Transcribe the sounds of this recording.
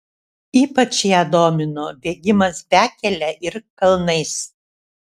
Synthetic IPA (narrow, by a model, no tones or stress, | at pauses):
iːpɐt͡ʃʲjæːd̪oːmʲɪnobʲeːɡʲɪmɐsbʲæːkʲɛlʲɛʔɪɾkɐlˠnɐɪs